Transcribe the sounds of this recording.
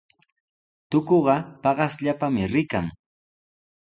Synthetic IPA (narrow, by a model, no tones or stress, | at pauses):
t̪ʊkoɢɑpɑɢɑsʎapamɪɾɪkaŋ